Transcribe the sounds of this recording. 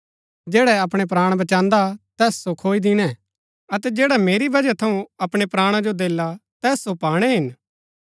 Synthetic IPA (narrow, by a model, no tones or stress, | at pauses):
d͡ʒɛːɽɛɐpɽ̃epɾaːɽ̃bɐt͡ʃãːnd̪at̪ɛːssokʰoːid̪ɪñɛ | ɐt̪ɛd͡ʒɛːɽameːɾibɐd͡ʒat̪ʰɐũɐpɽ̃epɾaːɽ̃ad͡ʒod̪eːlːat̪ɛːsːopaːɽ̃ɛɦɪn